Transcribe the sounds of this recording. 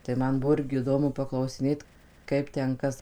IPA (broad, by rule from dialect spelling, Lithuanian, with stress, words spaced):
tɐɪ ˈmɐn ˈbʊʋoː ˈɪrʲɡʲɪ ɪˈdoːmʊ pɐklˠɐʊsʲɪˈnʲeːt ˈkɐɪp ˈtʲɛn ˈkɐs